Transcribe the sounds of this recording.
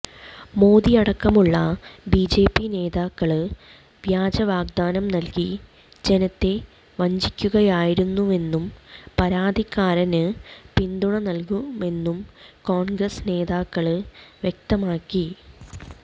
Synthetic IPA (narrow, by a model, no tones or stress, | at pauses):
moːðiɐɽɐkːɐmuɭːɐbid͡ʑe̞ːpːine̞ːðaːkːɐɭ | ʋjaːd͡ʑɐʋaːɡ̚d̪aːnɐmnɐlki | d͡ʑe̞nɐt̪ːe̞ | ʋɐɲd͡ʑikʲːuɣɐjaːjiɾunːue̞nːumpɐɾaːd̪ʱikːaːɾɐnɨpind̪uɳɐnɐlkue̞nːumko̞ːɳɡrɐsne̞ːðaːkːɐɭɨʋjek̚t̪ɐmaːkːi